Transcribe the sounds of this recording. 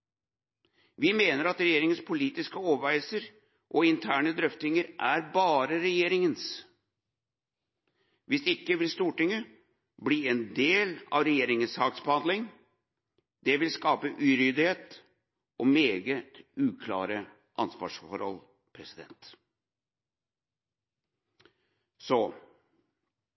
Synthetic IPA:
ʋɪmeːnəɾɑt̪ɾɛjeːɾɪŋənspʰʊliːt̪ɪskəoːʋəɾæɪlsəɾ | ʔoɪnt̪ʰæːɳəd̪ɾœft̪ɪŋəɾʔæɾbɑːɾəɾɛjeːɾɪŋəns | ʋɪsɪkːəʋɪlst̪uːʈɪŋːə | bliːɛnd̪eːlɑ̰ʋɾɛjeːɾɪŋənshɑːksbəhɑnd̪lɪŋ | d̪̥ɛʋɪlskɑːpəʔʉːɾʏd̪ɪheːt̪ | ʔɔmeːɡət̪ʉːkʰlɑ̰ːɾə | ʔɑ̰nsʋɑ̰ːʂfɔ̰ɾhɔ̰l | pʰɾɛsɪd̪ɛ̰nt̪ | sɔ

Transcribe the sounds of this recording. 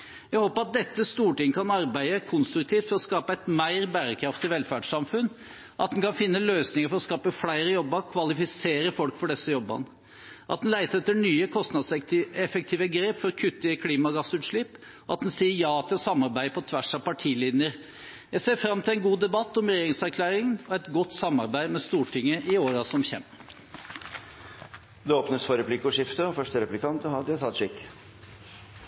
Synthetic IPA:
jæhoːpəɾɑt̪̚d̪ɛt̪ːəst̪uːʈɪŋːkʰɑnɑɾbæɪd̪əækʰʊnst̪ɾʉk̚t̪ʰiːft̪fɔɾɔskɑːpəæɪt̪mæɪɾbæːɾəkʰɾɑft̪ɪʋɛlfæːɖʂɑmfʉnː | ʔɑ̰t̪̚d̪ɛnkɑnfɪnːəløːsnɪŋəɾfɔɾɔskɑːpəflæɪɾəjɔbːəɾkʰʋɑlɪfɪseːɾəfɔlkfɔɖɛsːəjɔbːɑ̰nə | ʔɑ̰t̪̚d̪ɛnlæɪt̪əɾɛt̪ːəɳyːəkʰɔst̪nɑd̪sɛfɛk̚t̪ʰiːʋəɡɾeːpfɔɾkʰʉt̪ːɪəkʰliːmɑɡɑsʉːt̪ʂɭɪp | ɔɑ̰t̪̚d̪ɛnsiːəɾjɑːɑt̪ːsɑmɑɾbæɪpʰɔt̪ʰʋæʂɑʋpʰɑʈʰiːliːd̪nəɾ | jæɪseːɾfɾɑmt̪ʰɪlæɪnɡuːd̪ɛbɑt̪ːɔmɾɛjeːɾɪŋsæɾkʰlæːɾɪŋɔɛt̪ɡɔt̪ːsɑmɑɾbæɪmɛst̪uːʈʰɪŋːəʔɪoːɾɑsɔmçɛ̰mː | d̪ɛoːpnəsfɔɾɛpʰlɪkːɔʂɪft̪əɔfœʂʈəɾɛplɪkʰɑnt̪əhɑd̪ɪt̪ʰɑt̪ʂɪkː

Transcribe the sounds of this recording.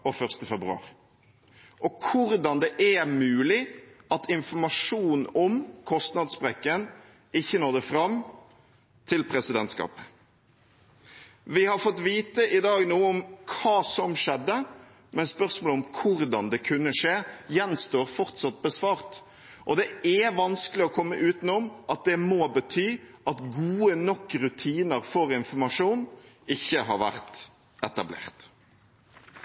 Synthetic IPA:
ɔfœʁst̪əfɛbɾʉɑ̰ːʁɪ | ʔɔkʰʊɾd̪ɑnd̪ɛʔæmʉːlɪɑt̪ɪnfɔmɑʂuːn̩ɔmkʰɔst̪nɑd̪sbɾɛkːən | ɪçːənoːʁd̪ɛfɾɑm | t̪ʰɪlpʰɾɛsɪd̪ɛnt̪skɑ̰ːpə | ʋɪhɑɾfɔt̪ʋiːt̪əʔɪd̪ɑːɡnuːəɔmkʰɑːsɔmʂɛd̪ːə | mɛnspœʁsmoːlɔmkʰʊɾd̪ɑnd̪ɛkʰʉnːəʂeːjɛnst̪oːɾfɔʁt̪sɑt̪̚bəsʋɑːʁt̪ | ʔɔd̪ɛʔɛʋɑnskəlɪɔkʰɔmːəʔʉːt̪nɔmʔɑt̪̚d̪ɛmoːbət̪ʰyːʔɑt̪ɡuːənɔkːʁʉt̪ʰiːnəɾfɔɾɪnfɔɾmɑʂuːnɪçːəɦɑɾʋæʁt̪ | ɛt̪ɑblḛːʁt̪

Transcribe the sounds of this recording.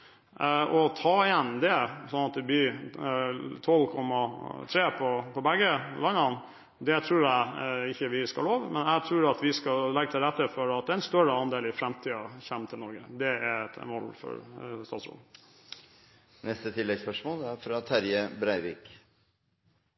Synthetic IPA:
ɔt̪ʰɑːɪjɛnːd̪ɛsɔnːɑt̪̚d̪ɛb̪iː | t̪ʰɔlkʰɔmːɑt̪ʰɾeːpʰɔpʰɔbæɡːəlɑnɑn | d̪ɛt̪ʰɾʉːɾæɪçːəʋɪskɑloːʋmɛnæɡt̪ʰɾʉːɾɑt̪ʋɪskɑlɛɡːət̪ʰɪlɾɛt̪ːəfɔɾɑt̪̚d̪ɛɛnst̪œɾəɑnd̪eːlɪfɾɛmt̪ʰiːɑçæmːt̪ʰɪlnɔɾɡəd̪ɛæɾt̪ʋɔlːfɔ̰ɾst̪ɑːsɾo̰ːd̪ | nɛst̪ət̪ʰɪlːɛɡspœʂmoːlæɾfɾɑt̪ʰæɾjəbɾæɪʋḭːk

